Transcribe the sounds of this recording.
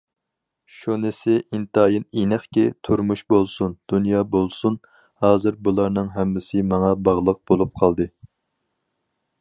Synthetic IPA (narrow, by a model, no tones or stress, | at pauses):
ʃunɪsɪʔint̪ɑjininæχkʲɪt̪ʰuɾmuʃbolˠsund̪̥unjɑːbolˠsun | hɑːzɨɾbulˠɑɾnɨŋɦɛmːɪsɪmɑŋɑbɑʁlˠəq̚bolˠup̚qʰɑlˠd̪ɨ